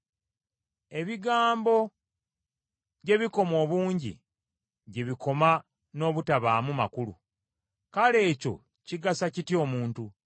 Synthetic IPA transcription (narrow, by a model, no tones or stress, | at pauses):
e̞βiɡaːmbo̞ | ɟe̞βiko̞mo̞ːβuːɲɟḭ | ɟeβikʰo̞ma | no̞ːβutaβaːmumakulṵ | kale̞ːco̞̰ | ciɡasacitio̞ːmuːntu